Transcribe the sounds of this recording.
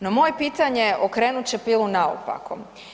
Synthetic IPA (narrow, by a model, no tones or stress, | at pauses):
nomo̞jepiːt̪aɲeʔokɾeːnut͡ɕe̞pilˠunao̰pa̰kom